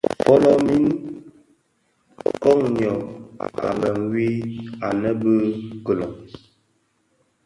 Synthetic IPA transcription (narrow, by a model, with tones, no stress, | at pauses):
pɔ˦lɔ˦mi˦n | kɔ˦ŋɲjɔ˨a̰˨lə˨ŋwi˦a˨nə˦bə˦kə˨lɔ˨ŋ